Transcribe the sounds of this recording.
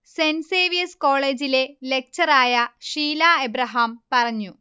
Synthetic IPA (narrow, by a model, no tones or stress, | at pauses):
senseːʋijɐsko̞ːɭe̞ːd͡ʑile̞le̞k̚t͡ɕɐraːjɐʂiːlaːebɾɐɦɐmpɐrɐɲːu